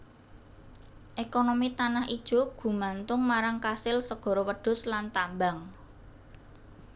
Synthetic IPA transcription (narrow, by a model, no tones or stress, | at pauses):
ʔekonomit̪anahid̥ʒ̥ṳɡ̥ṳmant̪ʊŋmaɾaŋkasɪlsəɡ̥ɔ̤ɾowəɖ̪̥ʊ̤slant̪ambaŋ